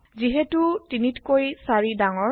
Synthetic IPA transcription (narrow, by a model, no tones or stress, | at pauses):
ziɦɛtutinitkojsaɹidaŋɔ